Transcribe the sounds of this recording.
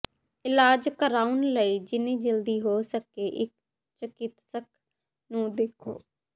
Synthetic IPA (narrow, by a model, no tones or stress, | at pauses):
ɪlaːd͡ʒkəɾaːunləiːd͡ʒɪnẽːd͡ʒəld̪iːɦoːsəkeːʔɪk̚ | t͡ʃəkɪt̪sək̚ | nũːd̪ekʰo̰ː